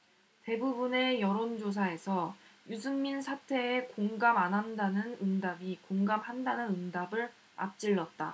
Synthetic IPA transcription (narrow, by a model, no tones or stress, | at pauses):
te̞bubune̞jʌɾond͡ʑos̬ʰae̞sʰʌjus̬ʰɯŋminsʰatʰe̞ːkoŋɡamanɦandanɯnɯŋdabikoŋɡamhandanɯnɯndabɯɭ | a̰p̚t͡ɕ͈iɭːʌt̚t͈a̰